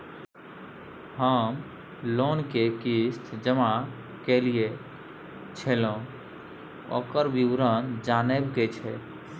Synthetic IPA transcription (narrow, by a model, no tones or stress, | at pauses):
həm | lonkekisʈ̪d͡ʒəma | kelie | t͡ʃʰelõ | o̰kəɾbiwɾənd͡ʒaːnebɡet͡ʃʰɛ